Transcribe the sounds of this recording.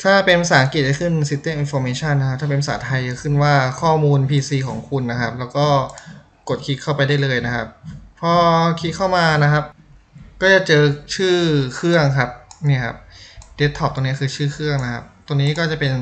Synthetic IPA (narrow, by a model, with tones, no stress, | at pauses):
t̪ʰaː˥˩pe˧npsaː˨˩˦ŋki˨˩t̪̚t͡ɕa˥˩kʰɯ˥˩nsi˧˦˥t̪ːeː˥˩ʔi˧nfɔː˧meː˧˥t͡ɕʰa˥˩˨nːa˦kʰp̚t̪ʰaː˥˩pe˧npʰasaː˨˦t̪ʰa˧ja˧˩kʰɯ˥˩nwaː˥˩kʰɔː˥˩muː˧npʰiː˧siː˧kʰɔ̰ː˩˦ŋkʰu˧nːa˦˥kʰa˦˥p̚lɛː˦˥wkɔː˥˩ | ko˨˩t̪̚kʰi˦˥t̪̚kʰa˥˩wpa˧jdaː˥˩jlɤː˧jna˦˥kʰa˦˥p̚ʰːɔ˦˥kʰi˦˥kʰa˥˩wmaː˧na˦˥kʰa˦˥p̚ | kɔː˥˩t͡ɕa˨˩t͡ɕɤː˧t͡ɕʰɯː˥˩kʰɯ˥˩əŋkʰa˦˥p̚ni˥˩ɐkʰa̰˦˥p̚de˦˥t̪ʰːɔː˧˦˥p̚t̪o˧ni˥˩kʰɯː˧t͡ɕʰɯː˥˩kʰɯ˥˩əŋna˦˥kʰa̰˦˥p̚t̪o˧niː˦˥kɔː˥˩t͡ɕa˨˩pe˧n